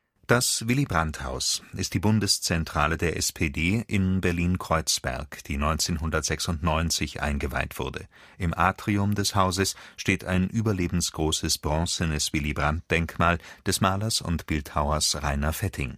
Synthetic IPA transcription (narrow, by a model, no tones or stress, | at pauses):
d̥asvɪlibʁantha̰ʊsʔɪstd̥iːbʊndəst͡sɛntʁ̥aːlədeːɐʔɛspʰeːdeːʔɪnbɛɐliːnkʁ̥ɔʏt͡sv̥ɛ̰ɐkd̥iːnɔʏnt͡seːnɦʊndɐtz̥ɛksʊntnɔʏnt͡sɪçʔa̰ɪnɡəva̰ɪtv̥ʊ̰ɐdə̰ | ʔɪmʔaːtʁ̥iʊmdɛshaʊzəsʃteːtʰa̰ɪnʔyːbɐleːbm̩sɡ̥ʁoːsəsb̥ʁɔ̃sənəsv̥ɪlibʁant̚d̥ɛŋkmaːld̥ɛsmaːlɐsʊ̰ntb̥ɪlthaʊɐsʁaɪnɐfɛtʰɪŋ